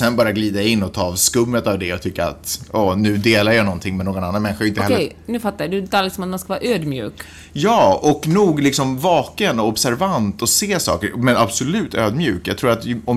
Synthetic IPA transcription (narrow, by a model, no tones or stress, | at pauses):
sɛnbɑːɾjaɡliːd̪aɪnːɔt̪ʰɑːvskɵmːət̪avd̪ɛɔt̪ʰʏkːaɾa̰t̪ɔːnʉ̟ːd̪eːlaɾjanɔnt̪ʰɪŋmɛnːoːɡɔnanːanmɛnɧəɾɪnt̪əhɛlːjnʉ̟ːfat̪ːajad̪ɛɛt̪ʰaːlɪsɔmat̪̚mɛnskavɑːɾaʔøːd̪mjʉ̰ːk | jɑːɔknuːɡlɪksɔmvɑːkənɔɔbsæɾvant̪ɔseːsɑ̰ːkəɾmɛnabsɔlʉ̟ːt̪ʰøːd̪mjʉːkjɑ̰ɡt̪ʰɾuːɾat̪ɔm